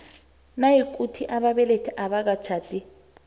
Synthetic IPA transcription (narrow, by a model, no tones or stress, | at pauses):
najik̬ʼutʰiʔaɓaɓɛletʰɛʔaɓak̬at͡ʃʰaːtʼi